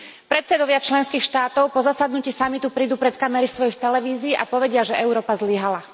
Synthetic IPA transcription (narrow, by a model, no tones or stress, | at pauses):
pɾɛt̪sɛd̪ɔʋɪat͡ʃlɛnskiːxʃt̪aːt̪ɔʊpɔzasad̪nuciːsamit̪upɾiːd̪uːpɾɛt̪kamɛɾisʋɔjixt̪ɛlɛʋiːziːʔapɔʋɛɟɪaʒɛʔɛʊɾɔːpazliɦala